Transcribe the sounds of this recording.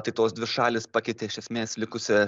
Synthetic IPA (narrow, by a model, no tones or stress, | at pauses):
t̪ɐɪt̪oːsd̪ʲʋʲɪʃɑːlʲɪspɑkʲɛɪt̪ʲeɪʃʲɛsʲmʲeːslʲɪkʊsʲɪ